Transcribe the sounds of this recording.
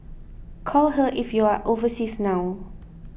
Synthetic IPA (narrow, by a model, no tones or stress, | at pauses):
kʰɔlɦəʔifjuaʔovəsisnaw